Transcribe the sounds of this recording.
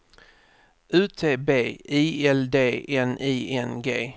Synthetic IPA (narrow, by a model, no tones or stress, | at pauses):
ʉːt̪ʰeːbeːiːɛld̪eːʔɛnʔiːʔɛnɡeː